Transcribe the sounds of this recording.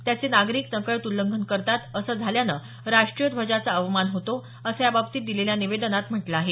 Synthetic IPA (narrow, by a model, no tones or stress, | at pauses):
t̪jat͡senaɡɾiːk̚səkəɭət̪ulːəŋɡʱənkəɾt̪at̪əsəːd͡zʱaljanə̰ | ɾaʂʈɾijəd̪ʱʋəd͡ʑat͡səəʋmanɦot̪o | əsəjababt̪iːt̪d̪ileljaniʋed̪ənat̪m̤əʈlaaɦe